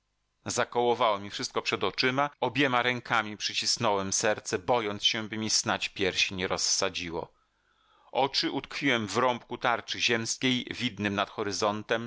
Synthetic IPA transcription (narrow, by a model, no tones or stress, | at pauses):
zakɔwɔvawɔmʲifʂɘst̪̚kɔpʂɛd̪ɔt͡ʂɘmaɔbʲjɛmaɾɛŋkʰamʲipʂɘt͡ɕisnɔwɛmsɛɾt̪sɛbɔjɔnt̪sɕɛ̃bɘmʲisnat͡ɕpʲjɛɾɕiɲɛɾɔsːad͡ʑiwɔ̰ | ʔɔt͡ʂɘʔut̪kfʲiwɛmvɾɔmpkut̪aɾt͡ʂɘʑɛmskʲejvʲid̪nɘmnat̪xɔɾɘzɔnt̪ɛm